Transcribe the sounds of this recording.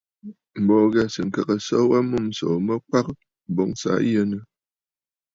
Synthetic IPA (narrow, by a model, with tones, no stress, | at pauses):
m̩˨bɔ˨ɣɛ˦sɨ˨ŋ̩˨ka˨kə˨sɔ˦wa˦mu˦msɔ̰˨mə˦ka˦k | bɔ˨˦ŋsa̰˨˦jə˦nə˦